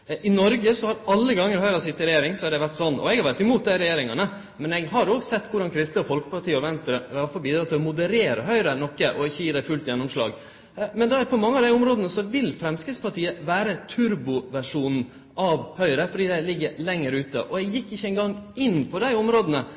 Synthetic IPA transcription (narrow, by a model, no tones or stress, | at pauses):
ʔɪnɔɾɡəsɔhɑɾɑlːəɡɑŋːəɾɦœʏɾɑsɪt̪ːɪɾɛjeːɾɪŋsɔæɖɛʋæʈːsɔnːɔ̰ɛɡhɑɾʋæʈːɪmuːt̪̚d̪æɪɾɛjeːɾɪŋɑnə | mɛnɛɡɦɑɾɔːɡsɛt̪ːkʊɖɑnkʰɾɪst̪ləɔfɔlkə̥pɑʈʰiːəɔʋɛnst̪ɾəɑfɔɾbiːd̪ɾɑt̪ʰːɪlɔmʊd̪əɾeːɾə̰ɦœʏɾənɔkːəʔɔɪçːəjiːd̪æfʉlt̪jɛnːɔmʂlɑ̰ːɡ | mɛnd̪ɑpʰɔmɑŋːəɑʋd̪æɪɔmɾoːd̪ənəsɔʋɪlːfɾɛmskɾɪt̪spɑʈʰiːəʋæːɾət̪ʰʉɾbʊʋæʂuːnn̩ | ʔɑʋhœʏɾəfɔɖiːd̪ælɪɡːəɾlɛŋːəɾʉːt̪ə̰ʔɔɛɡjɪkːɪçːəɛɪŋɡɑŋːɪnːpʰɔd̪æɪɔmɾoːd̪ənə